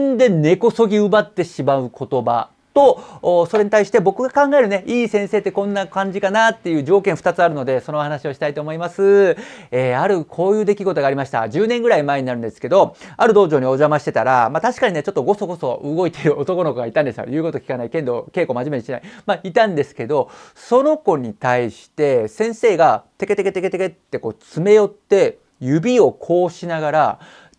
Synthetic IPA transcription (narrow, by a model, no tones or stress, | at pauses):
nd̪e̞ne̞ko̞so̞ɡʲiɯ̟bat̪ːe̞ɕimaɯ̟kʰo̞t̪o̞ba̰ | t̪o̞ːso̞ɾe̞ɲ̟it̪aiɕi̥t̪e̞bo̞kɯ̟ɡakãŋɡae̞ɾɯ̟ne̞ʔiːsẽ̞ɰ̃se̞ːt̪ːe̞kõ̞nːakãɲ̟d͡ʑikanat̪ːe̞jɯ̟ːʑo̞ːkẽ̞ɰ̃ɸɯ̟̥t̪at͡sɨaɾɯ̟no̞d̪e̞sonoːhanaɕio̞ɕi̥t̪ait̪o̞ːmo̞imasɨeːaɾɯ̟kʰo̞ːjɯ̟ːd̪e̞kʲiɡo̞t̪o̞ɡaːɾʲimaɕi̥t̪a̰d͡ʑɨːnẽ̞ŋɡɯ̟ɾaimae̞ɲ̟inaɾɯ̟̃nd̪e̞sɨ̥ke̞d̪o̞aɾɯ̟d̪o̞ːʑo̞ːɲ̟ioʑamaɕi̥t̪e̞t̪aɾamat̪aɕi̥kaɲine̞t͡ɕo̞t̪ːo̞ɡo̞so̞ɡo̞so̞ʔɯɡo̞it̪eɾɯ̟o̞t̪o̞ko̞no̞ko̞ɡait̪ãnd̪e̞so̰jɯ̟ːkoo̞kʲi̥kanaikẽ̞nd̪o̞ke̞ːko̞ːmaʑime̞ɲiɕina̰imait̪ãnd̪e̞sɨ̥ke̞d̪o̞ | so̞no̞ko̞ɲ̟it̪aiɕi̥t̪e̞sẽ̞ɰ̃se̞ːɡat̪e̞ke̞t̪e̞ke̞t̪e̞ke̞t̪eke̞t̪ːe̞ko̞ːt͡sɨme̞jo̞t̪ːe̞ | jɯ̟bʲio̞kʰo̞ːɕinaɡaɾa